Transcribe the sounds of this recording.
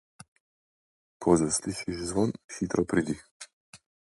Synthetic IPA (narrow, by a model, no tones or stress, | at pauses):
kʰɔzasliʃiʒzʋɔnxit̪ɾɔpɾid̪ix